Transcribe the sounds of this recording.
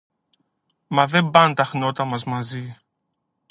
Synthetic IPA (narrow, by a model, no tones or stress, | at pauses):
mɐðe̞mbɐnt̪ɐxno̞t̪ɐmɐzmɐzi